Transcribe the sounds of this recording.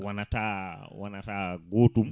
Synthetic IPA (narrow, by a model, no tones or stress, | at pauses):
wanatawanataːɡotum